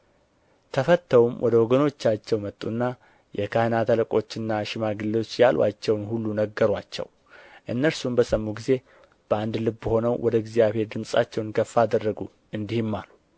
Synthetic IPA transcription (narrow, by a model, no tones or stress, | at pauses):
t̪ʰəfət̪ʰːəwumwʔɔ̰d̪əwɔɡəno̞t͡ʃːat͡ʃːɛwmət̪ʼːunːa | jɛkʰahnat̪ʰələkʼo̞t͡ʃːɨnːaʃɪmaɡɨlːo̞t͡ʃːjalwa̰t͡ʃːɛwnhulːunəɡːəɾwat͡ʃːɛ̰w | ʔɨnːəɾsumbəsʼəmːuɡize̞ | b̥əand̪lɨbːəho̞nəwwʔɔd̪əɡzijaβhe̞ɾd̪ɨmsʼa̰t͡ʃːɛwnkʰəfːad̪ərːəɡu | ɨnd̪ihɪmːalu